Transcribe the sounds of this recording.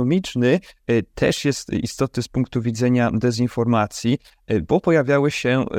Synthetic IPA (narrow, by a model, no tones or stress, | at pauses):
ɔmʲit͡ʂnɘt̪ʰɛʂjɛst̪ḭst̪ɔt̪nɘspuŋkt̪uvʲid̪zɛɲad̪ɛzinfɔɾmat̪sʲji | bɔpɔjavʲjawɘɕɛ